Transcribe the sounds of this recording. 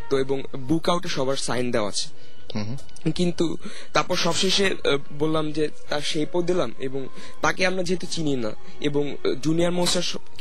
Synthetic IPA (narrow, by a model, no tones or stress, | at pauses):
t̪oeboŋ | bukawʈeʃɔbaɾsajnd̪eoa̰a̰t͡ɕʰe̥ | kint̪u | t̪aɾpɔɾʃɔbʃeʃe | bolːamd͡ʑe | t̪aɾʃejpod̪ilamḛboŋ | t̪akeamɾad͡ʑeɦet̪ut͡ɕinina̰ | ḛboŋ | d͡ʑuniaɾmõsaɾʃɔ